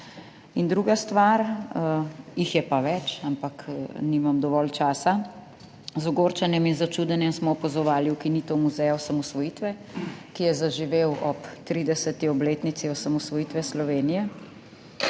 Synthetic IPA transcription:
ind̪ɾuːɡast̪ʋaɾ | jixjɛpaʋɛt͡ʃampakniːmamd̪ɔʋɔlt͡ʃaːsa | zɔɡoɾt͡ʃanjɛminzat͡ʃuːd̪ɛnjɛmsmɔːpazɔʋaːliwkiniːt̪ɔwmuzɛjɔsamɔsʋɔjiːt̪ʋɛ | kijɛzaʒiʋewʔɔpt̪ɾiːd̪ɛsɛt̪iɔbleːt̪nit̪siɔsamɔsʋɔjiːt̪ʋɛslɔʋeːnijɛ

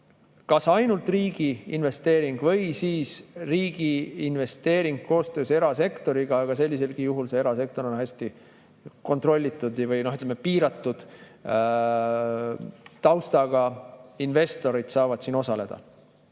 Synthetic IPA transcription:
kɑsɑjnult̪riːɡ̥iinve̞st̪e̞ːɾiŋɡ̥vɤjsiːsriːɡ̥iːnve̞st̪e̞ːɾiŋɡ̥̚ko̞ːst̪ø̞ːse̞ɾɑse̞kt̪o̞ɾiɡ̥ɑɑɡ̥ɑse̞lʲːis̬e̞lɡ̥ijuɦulse̞eɾɑse̞k̚t̪o̞ɾo̞nhæsʲt̪i | ko̞nt̪ro̞lʲːit̪ːˑud̪̥ɑvɯjno̞ɦyt̪lemepiːɾɑt̪ːˑud̪̥ | t̪ɑwst̪ɑɡ̥ɑinve̞st̪o̞ɾid̪̥sɑːvɑd̪̥sino̞sɑle̞d̪̥ɑ̰

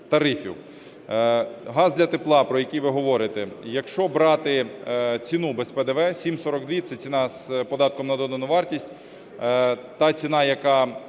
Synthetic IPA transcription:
t̪ɐɾɪfʲʊ̰ | ɦɑzd̪lʲɐt̪eplˠɑpɾɔjɐkʲijʋɪɦɔʋɔɾɪt̪ɛjɐkʃt͡ʃɔbɾɑt̪ɪt͡sʲinubɛspɛd̪ɛʋɛsʲimsɔɾɔɡd̪ʋʲit̪sɛt͡sʲinɑz̥pɔd̪ɑt̪̚kɔmnɐd̪ɔd̪ɐnʊʋɑrtʲisʲtʲ | t̪ɑt͡sʲinɑjɐkɑ

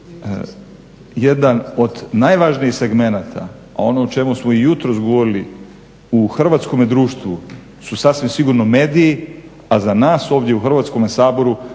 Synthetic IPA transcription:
jed̪ano̞d̪najʋaʒnijixseɡme̞naːt̪ʰa | o̞not͡ʃe̞musmo̞ijut̪ɾos̬ɡoʋo̞ɾili | uxr̩ʋaːt̪sko̞med̪ɾuːʃt̪ʋu | susasʋimsiɡuɾno̞me̞ːd̪iji | azanaːso̞ːʋd̪ʲjeuxr̩ʋat̪sko̞mesaːbo̞ɾu

